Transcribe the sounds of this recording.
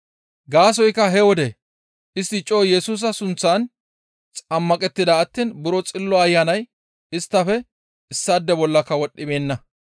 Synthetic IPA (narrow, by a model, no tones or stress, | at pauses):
ɡaːs̬ɔjkːɐɦɛwɔd̪ɛ | ʔɪst̪ːɪt͡ʃʼːoːjɛsuːs̬ɐsʊnt͡sːaːn | t͡sʼɐmːɐkʼɛt̪ːɪd̪ɐːt̪ːiːnbʊɾɔt͡sʼɪlːɔɐjːɐnɐj | ɪst̪ːɐfɛ | ɪsːad̪ːɛbɔlːɐkːɐwɔɗːɪbe̞ːnːɐ